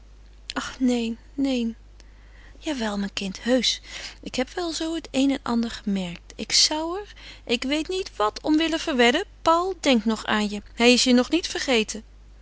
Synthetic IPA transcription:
ʔɑχnejnːejn | jaːʋɛlˠmɛjnkɪnthøɥsʔɪkɦɛpʋɛlˠzowətejnɛnʔɑ̰ndəɹχəmɛɹk̚tɪksɑwɛɹʔɪkʋejtnitʋɑtʰɔmʋɪləvəɹʋɛdəpɑwlˠdɛŋk̚tnɔχa̰ːnjəɦɛjɪsjənɔχnitfəɹχejtʰə

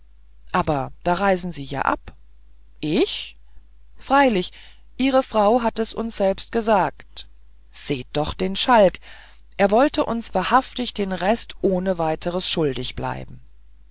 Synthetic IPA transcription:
ʔaːbɐd̥aːʁaɪzn̩ziːja̰ːʔa̰p | ʔɪç | fʁ̥aɪlɪç | ʔiːʁəfʁ̥aʊɦatɛsʔʊ̰nsz̥ɛlpst̚ɡ̥əzaːkt | z̥eːd̥ɔχd̥eːnʃalk | ʔeːɐvɔltəʔʊnsv̥aːɐhaftɪçd̥eːnʁɛstʔoːnəvaɪtʰəʁəsʃʊldɪçb̥la̰ɪbm̩

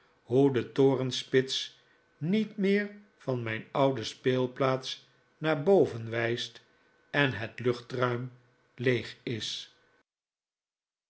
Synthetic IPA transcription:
ɦudətʊːrənspɪts | nitmɪːɹ | v̥ɑnmɛjnɑwdəspeːlˠplaːts | naːɹbowvənʋɛjst | ɛnɦətlʏχtrœɥm | lejχɪs

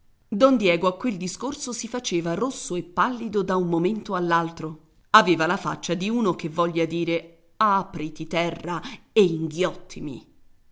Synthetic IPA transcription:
d̪ɔnd̪jɛːɡoakːweld̪iskorsosifat͡ʃeːvarosːoepːalːid̪od̪aummoment̪oalːalt̪ɾo | aveːvalafa̰t͡ʃːad̪iuːnokevːɔʎːad̪iːɾe | apɾit̪it̪ɛrːaeiŋɡjɔt̪ʰːimḭ

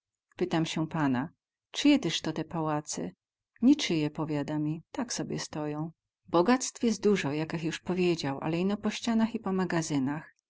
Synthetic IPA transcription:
pɘt̪amɕɛpana | t͡ʂɘjɛt̪ɘʂt̪ɔt̪ɛpawat̪sɛ̰ | ɲit͡ʂɘjɛpɔvʲjad̪amʲit̪aksɔbʲjɛst̪ɔjɔ̃w̃ | bɔɡat̪st̪fjɛs̬t̪̚d̪uʐɔjakɘxjuʂpɔvʲjed͡ʑawʔa̰lɛinɔpɔɕt͡ɕanaxipɔmaɡazɘnax

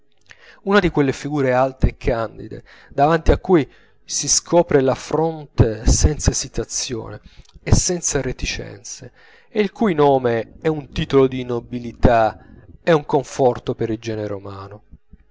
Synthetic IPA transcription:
unad̪ikwelːefiɡuːɾealt̪eɛkʰːand̪ḭd̪ḛ | d̪avant̪iakːuj | siskʰɔːpɾelafɾont̪esɛnt̪sasit̪at̪sːjo̰ːneːsːɛnt̪saret̪it͡ʃɛ̰nt̪se | eilkujnɔːmeɛunt̪iːt̪olod̪inobilit̪aɛuŋkoɱfɔrt̪opeɾild͡ʒɛːneɾḛomaːno

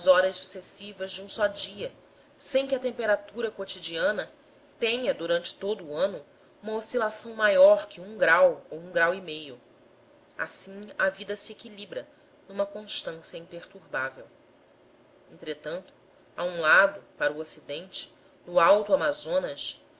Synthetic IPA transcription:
zɔɾɐzsu̥sesivɐʒd͡ʒɪũsɔd͡ʒiɐ | sẽj̃kʲɪɐt̪ẽmpeɾat̪uɾɐkot͡ʃid͡ʒiɐ̃nɐ | t̪ẽɲɐd̪uɾɐ̃nt͡ʃɪ̥t̪od̪ʊːɐ̃nʊ | ũmɐosilasɐ̃w̃majɔɾkɪũɡɾawowũŋɡɾawimejʊ | a̰sĩɐvid̪ɐsɪekilibɾɐ | nũmɐkõʃt̪ɐ̃sjɐĩpeɾt̪uɾbavew | ẽnt̪ɾet̪ɐ̃nt̪ʊ̥ | aũlad̪ʊpaɾʊosid̪ẽnt͡ʃɪ̥ | nʊawt̪uamazõnɐs

